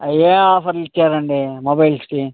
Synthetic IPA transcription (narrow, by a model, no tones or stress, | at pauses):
ɐjeaːfɐɾlit̪ːaːɾɐɳɖimobɐjlsʈi